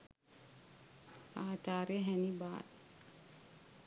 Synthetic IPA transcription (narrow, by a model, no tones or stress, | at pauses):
aːtaːɾeɦɛnibaːt